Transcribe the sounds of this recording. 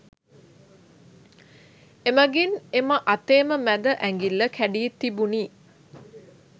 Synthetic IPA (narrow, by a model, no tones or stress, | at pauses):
eməɡineməʔat̪eːməmæd̪əʔæŋɡilːəkʰæɖiet̪ibuniː